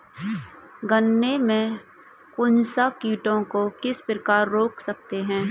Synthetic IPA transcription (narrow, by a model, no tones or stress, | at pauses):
ɡənːemẽ | kʊnsakiːʈõkokɪspɾəkaːɾːoːksək̚t̪eɦɛ̃ː